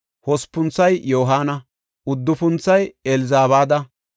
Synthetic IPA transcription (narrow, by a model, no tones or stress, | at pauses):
hɔspːʊnt͡sːɐjjoːɦaːnɐ | ʊd̪ːʊfʊnt͡sːɐjɛlɪzaːβaːd̪ɐ